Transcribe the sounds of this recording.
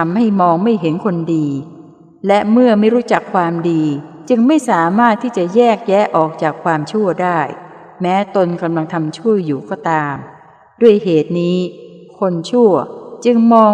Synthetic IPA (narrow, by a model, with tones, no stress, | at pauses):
a˧mha˥˩jmɔː˧ŋma˥˩jɦe˩˦nkʰo˧ndiː˧ | lɛ˦˥mɯ˥˩ɐma˥˩jɾuː˦˥t͡ɕa˨˩kʰːwaː˧mdiː˧t͡ɕɯ˧ŋma˥˩jsaː˩˦maː˥˩t̪ʰːiː˥˩t͡ɕa˨˩ʔjɛː˥˩k̚jɛː˦˥ʔɔː˨˩k̚t͡ɕaː˨˩kʰwaː˧mt͡ɕʰu˥˩ɐdaː˥˩j | mɛː˦˥t̪o˧nka˧mla˧ŋt̪ʰa˧mt͡ɕʰu˥˩əjːuː˨˩kɔː˥˩t̪aː˧m | du˥˩əjɦeː˨˩t̪̚niː˦˥kʰo˧nt͡ɕʰu˥˩ɐt͡ɕɯ˧ŋmɔː˧